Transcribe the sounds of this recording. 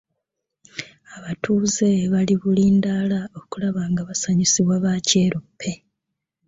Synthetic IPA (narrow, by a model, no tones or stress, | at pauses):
aβatʰuːze̞βaliβuliːndaːlao̞kulaβaːŋɡaβasaɲisiβwaβaːce̞ːɾopʰːe̞